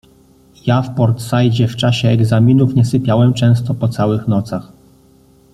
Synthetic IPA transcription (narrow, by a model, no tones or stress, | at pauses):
jafpɔɾt̪sajd͡ʑɛft͡ʂaɕɛːɡzamʲinufɲɛsɘpʲjawɛmt͡ʂɛ̃w̃st̪ɔpɔt̪sawɘxnɔt̪sax